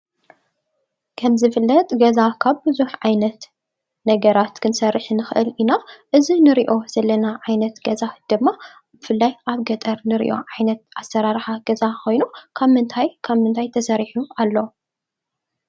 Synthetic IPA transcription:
kʰɐmzɨfɨlːɐt̪ʼɡɐzakʰaβbɨzuħʕajnɐt̪ | nɐɡɐɾat̪kʰɨnsɐrːɨħnɨxʔɨlinaʔɨzinɨɾiʔo̞z̥ɐlːɐnaʕajnɐt̪ɡɐzad̪̥ɨmːa | b̥ɨfɨlːajʔaβɡɐt̪ʼɐɾnɨɾḭʔo̞̰ʕajnɐt̪̚ʔasːɐɾaɾħaɡɐzakʰo̞jnukʰaβmɨnt̪ʰajkʰaβmɨnt̪ʰajt̪ʰɐsɐɾiħualːo

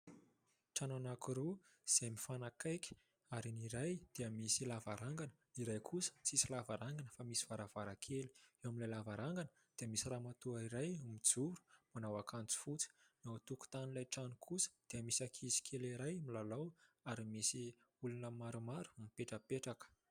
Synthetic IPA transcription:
ʈ͡ʂananakuɾu | z̥emifanakajkʲi̥ | aɾiniɾajd̪̥eəmisilavaɾaŋɡanə̥ | iɾajkʰusə̥t͡sisilavaɾaŋɡanəfamisiv̥aɾavaɾakʰeli̥ewamilajlavaɾaŋɡanə | d̪̥eəmisiramat̪uaiɾajmid͡zuɾu̥manawakant͡si̥fut͡sə̥nat̪uku̥t̪anlajʈ͡ʂanukʰusə̥d̪̥eəmisakʰizi̥kʲʰeliɾajmilalawaɾimisi | ulunəmaɾumaɾu̥mipeʈ͡ʂəpeʈ͡ʂakə̥

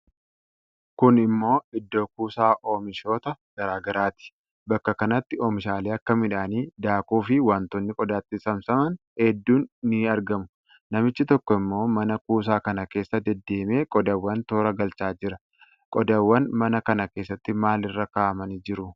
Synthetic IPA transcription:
kʊnɪmːo̞ːɪd̪ːo̞ːkuːsaːʔoːmɪʃo̞ːt̪ɐɡ̥ɐɾaːɡɐɾaːt̪ɪ̥ | bɐkːɐkɐnɐt̪ːɪoːmɪʃaːleːɐkːɐmɪᶑaːniːd̪aːkuːfɪwaːnt̪ɔnːɪkʼɔd̪aːt̪ːɪsɐmsɐmɐn | hɛd̪ːuːnːɪɐɾɡɐmʊ̥ | nɐmɪt͡ʃːɪt̪ɔkːɔɪmːo̞ːmɐnɐkuːs̬aːkɐnɐke̞ːsːɐd̪ɛd̪ːe̞ːme̞ːkʼɔd̪ɐwːɐnt̪o̞ːɾɐɡɐlt͡ʃaːd͡ʒɪɾɐ | kʼɔd̪ɐwːɐnmɐnɐkɐnɐke̞ːsːɐt̪ːɪmaːlɪrːɐkaːʔɐmɐnid͡ʒɪɾʊ

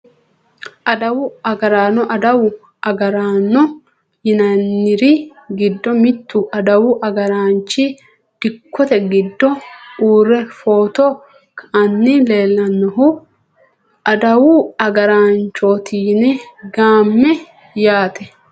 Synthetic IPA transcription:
ʔɐd̪ɐwʊɐɡɐɾaːnɔʔɐd̪ɐwʊ | ɐɡɐɾaːnːɔ | jɪnɐnːɪɾɪɡɪd̪ːɔmɪt̪ːʊʔɐd̪ɐwʊʔɐɡɐɾaːnt͡ʃːi | d̪̥ɪkːɔt̪ɛɡɪd̪ːɔuːɾɛfoːt̪o | kʰɐɐnːɪle̞ːlːɐnːɔɦʊ | ʔɐd̪ɐwʊɐɡɐɾaːnt͡ʃːoːt̪ʰiːnɛɡaːmːɛ | jaːt̪ɛ

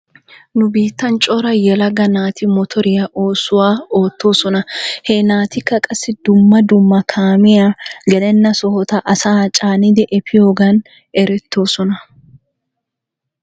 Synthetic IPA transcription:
nʊbiːt̪ːɐnt͡ʃʼɔɾɐjɛlɐɡɐnaːt̪ɪmɔt̪ʰɔɾɪjɐʔo̞ːsʊwaːoːt̪ːo̞ːsɔnɐhɛnaːt̪ɪkːɐkʼɐsːɪd̪ʊmːɐd̪ʊmːɐkʰaːmɪjaːɡɛlɛnːɐsɔhɔt̪ɐʔɐsaːt͡ʃʼaːnɪd̪ɪʔɛpʰɪjoːɡɐn | ɛɾɛt̪ːo̞ːsɔnɐ

